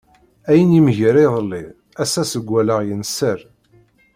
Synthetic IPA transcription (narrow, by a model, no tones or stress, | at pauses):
æjənimʝəɾiðˤlːi | æsæsəɡʷːæləʁjənsəɾ